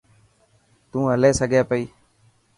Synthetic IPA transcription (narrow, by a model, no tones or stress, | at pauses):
t̪ũːɦəleːsəɡʱeːpəiː